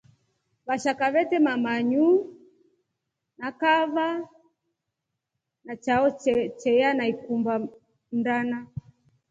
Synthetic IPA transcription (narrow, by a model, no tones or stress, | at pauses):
βaʃakaβɛtɛmamaɲu | nakava | nat͡ʃaɔt͡ʃɛjanaikumba | m̩dana